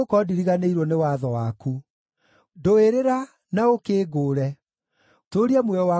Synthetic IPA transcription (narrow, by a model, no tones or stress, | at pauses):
okɔdiɾiɣaneiɾɔnewaðɔwaku | doeɾeɾa | naokeːɡoːɾɛ | toɾiamwɛɔa